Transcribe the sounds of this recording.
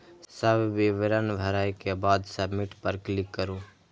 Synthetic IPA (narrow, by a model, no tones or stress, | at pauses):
səbʋɪʋəɾənbʱəɾaːjkebaːd̪səbmɪʈpəɾklɪkːəɾoː